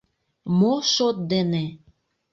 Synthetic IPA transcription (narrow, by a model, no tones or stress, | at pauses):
moʃot̪̚d̪ene